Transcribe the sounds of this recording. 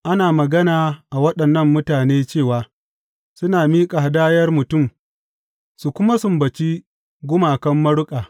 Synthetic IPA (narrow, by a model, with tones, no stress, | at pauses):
ʔa˦naː˨mɐ˨ɡɐ˦naː˨ʔa˨wɐ˦ɗɐ˨nːɐ˦mːʊ˦taː˨neː˦t͡ʃeː˦˨waː˨ | sʊ˦naː˨miː˦kʼa˨ha˨daː˦jɐ˦rmʊ˨tʊ˦˨m | su˨kʷʊ˦ma˦sʊ˨mbɐ˨t͡ʃi˦ | ɡʷʊ˦maː˨kɐ˦mːɐ˦ɽʊ˦kʼaː˨